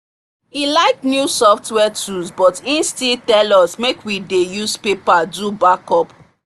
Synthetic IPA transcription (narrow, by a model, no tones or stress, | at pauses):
ilaɪknjusɔftwɛtuzbɔtĩnstiltɛlɔsmekwidejuspepadubakɔp